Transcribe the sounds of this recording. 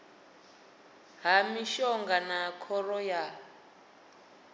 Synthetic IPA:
ɦamiʃɔŋɡanakʰɔrɔja

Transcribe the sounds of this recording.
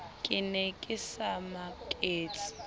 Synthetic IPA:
kʼɪnɛkʼɪsamakʼeːt͡sʰʼi̥

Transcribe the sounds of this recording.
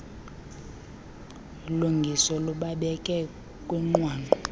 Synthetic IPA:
luŋɡʱisɔluɓaɓɛkʼɛ | kʼwɛŋ͡ǃwaːnǃʱɔ

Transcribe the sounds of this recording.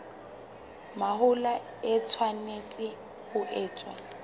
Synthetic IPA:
mahʊla | ɛt͡sʰwanet͡sʼɪ | hʊʔɛːt͡sʼwa

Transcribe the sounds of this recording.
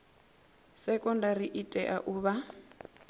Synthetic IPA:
sɛkʼɔndaɾiʔitʼɛʔaʔuːβa

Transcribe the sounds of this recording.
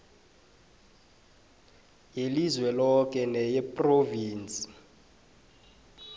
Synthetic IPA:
jelizwɛlɔk̬ʼɛnɛjɛpʼroviːnt͡sʼi̥

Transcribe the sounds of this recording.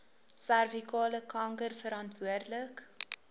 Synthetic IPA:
særvikɑːləkɐŋkərfəɾɑntvuərdlək

